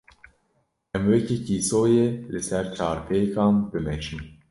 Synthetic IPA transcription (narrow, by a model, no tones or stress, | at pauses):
ʔɛmwɛcekiːsoːjeːlɨsɛɾt͡ʃʰɑːɾpʰeːkɑːnbɨmɛʃin